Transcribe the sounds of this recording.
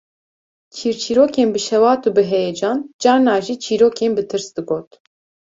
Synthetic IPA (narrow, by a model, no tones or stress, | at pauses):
kʰiːɾt͡ʃʰiːɾoːkeːnbɨʃɛwɑːt̪uːbɨɦɛjɛd͡ʒɑːnd͡ʒɑːnɑːʒiːt͡ʃʰiːɾoːkʰeːnbɨt̪ʰɨɾsd̪ɨɡoːt̪